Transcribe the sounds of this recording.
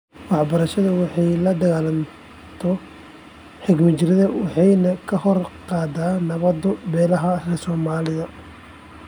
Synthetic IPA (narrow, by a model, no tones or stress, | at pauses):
wɑħbɐɾɐʃɐðɐwɑħɑjlɐd̪ɐɣaːlɐn | t̪ʰɔ | ħɪɡmɐt͡ʃɪɾɪðɐwɑħɑjnɐkʰɐhɔrqɑːd̪aːnɐβɐd̪ɔbɛːlɐɦɐrɛsɔːmaːlɪðɐ